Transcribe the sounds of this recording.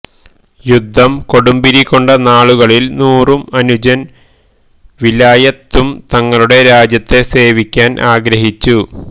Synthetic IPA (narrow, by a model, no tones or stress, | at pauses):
jud̪ʱːɐmko̞ɽumbiɾikːo̞ɳɖɐnaːɭuɣɐɭilnuːrumɐnud͡ʑɐn | ʋilaːjɐt̪ːumt̪ɐŋːɐɭuɽe̞ɾaːd͡ʑjɐt̪ːe̞se̞ːʋikʲːaːnʔaːɡɾɐɦit͡ɕːu